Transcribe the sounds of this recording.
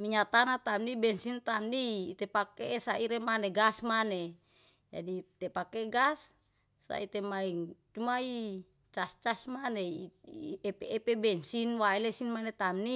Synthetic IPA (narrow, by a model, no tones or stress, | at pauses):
miɲat̪anat̪amnibɛnsint̪amniːt̪epakesaiɾemaneɡasmane | d͡ʒa̰dit̪epakeɡasː | a̰it̪emaiŋt͡ʃumai | t͡ʃast͡ʃasmane | epeːpebɛnsinwaelesinmanet̪amni